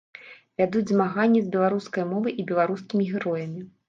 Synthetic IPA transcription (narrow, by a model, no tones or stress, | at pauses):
vʲad̪ud͡zʲzmaɣanʲːizʲbʲɛlˠaɾuskɐjmɔvɨʔibʲɛlˠaɾuskʲimʲiɣʲiɾɔjɐmʲi